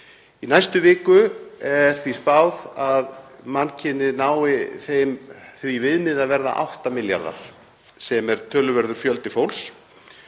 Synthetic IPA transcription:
inajst̪ʏvɪːkʏɛɾ̥θvispaːwðaðmancʰɪnːɪnaːwɪθejmθvivɪðmɪðaðvɛɾða̰ʔa̰wht̪amɪlja̰ɾða̰ɾ̥ | sɛmɛɾ̥t̪ʰœːlʏvɛɾðʏɾ̥fjœlt̪ɪfowls

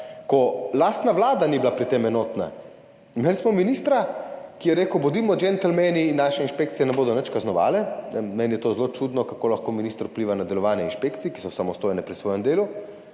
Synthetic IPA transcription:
kɔlaːst̪naʋlaːd̪aniblapɾit̪emɛnoːt̪na̰ | meːlismɔminist̪ɾakijɛɾeːkəwbɔd̪iːmɔd͡ʒɛnt̪ɛlmɛninːaːʃɛinʃpeːk̚t̪sijɛnɛboːd̪ɔnət͡ʃkaznɔʋa̰ːlɛɛmɛːnijɛt̪oːzlot͡ʃud̪nɔkakoːlaxkoːminist̪ɾupliːʋanad̪ɛlɔʋaːnjɛinʃpekt̪sijiki̥sɔsamɔst̪oːjɛnɛpɾisʋoːjɛmd̪eːlu

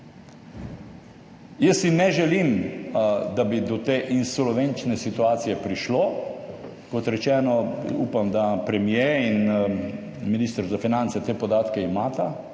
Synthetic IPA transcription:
jəsːinɛʒɛlim | d̪abid̪ɔt̪eːʔinsolɔʋent͡ʃnɛsit̪uaːt̪sijɛpɾiʃloː | kɔt̪ɾɛt͡ʃɛːnɔuːpamd̪apɾɛmjein | miniːst̪əɾzafinant̪sɛt̪eːpɔd̪aːt̪kɛimaːt̪a

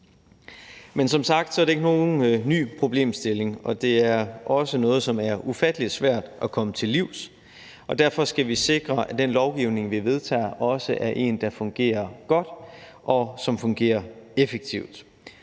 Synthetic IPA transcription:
mensɒ̽msɑ̈ɡ̥̚d̥sɒɐɾeɡəno̝ːn̩ny̰ːpʰʁo̝b̥le̝̰ːmsd̥e̝le̝ŋɒ̽d̥e̝æɐʔɒ̽sənɔ̽ːð̞̩ˠsɒ̽mæɐʔufæd̥əlid̥sʋæɐ̰d̥ʔækʰɒ̽mət͡sʰe̝lːiʊ̰s | ʔɒ̽d̥æɐ̰fɒ̽sɡ̥æʋise̝ɡ̥ʁɐæd̥enlɒʊɡ̥iʊ̰ne̝ŋʋiʋe̝ð̞ˠt͡sʰɛ̰ːʔɒ̽səʔæɐʔe̝̰ːnd̥ɑ̈fɔ̽ŋɡ̥e̝̰ːɐɡ̥ɒ̽d̥ʔɒ̽sɒ̽mfɔ̽ŋɡ̥e̝̰ːɐefeɡ̥̚t͡sʰiʊd̥

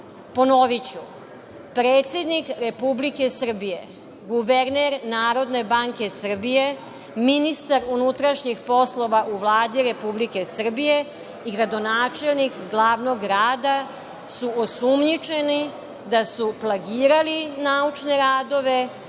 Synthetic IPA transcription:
po̞noʋit͡ɕu | pɾeːt̪sje̞d̪nikɾe̞publike̞sr̩bije̞̰ | ɡuʋeɾneɾnaːɾo̞d̪ne̞baŋke̞sr̩bije̞ | minist̪aɾunut̪ɾaʃɲixpo̞slˠo̞ʋaʔuʋlˠaːd̪iɾe̞publike̞sr̩bije̞ | iɡɾad̪o̞naːt͡ʃe̞lnikɡlˠaːʋno̞ɡɾaːd̪a | suosumɲit͡ʃe̞ni | d̪asuplˠaɡiːɾalinaut͡ʃne̞ɾaːd̪o̞ʋe̞

